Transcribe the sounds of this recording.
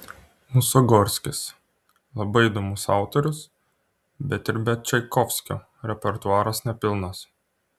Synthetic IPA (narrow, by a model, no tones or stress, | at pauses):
mʊsɔɡɔɾʲsʲkʲɪs | lˠɐbɐɪid̪omʊsɑˑʊt̪ɔɾʲʊs | bʲɛt̪ɪɾbʲɛt̪t͡ʃʲɛɪkɔfʲsʲkʲo̰ | ɾʲɛpʲɛɾt̪ʊɑːɾɐsnʲɛpʲɪlˠnɐs